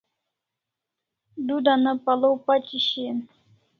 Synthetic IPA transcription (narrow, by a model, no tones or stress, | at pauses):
d̪ud̪anəpalowpat͡ʃiɕin